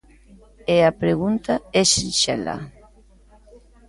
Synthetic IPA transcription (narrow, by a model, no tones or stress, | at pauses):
eapɾeɣ̞unt̪aɛʃiʃɛ̰la̰